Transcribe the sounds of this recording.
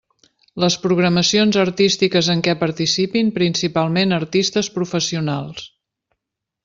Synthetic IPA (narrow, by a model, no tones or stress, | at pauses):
ləspɾuɣ̞ɾəməsionzərt̪ist̪ikəzəŋkɛpəɾt̪isipimpɾinsipalˠmenəɾt̪ist̪əspɾufəsiunalˠs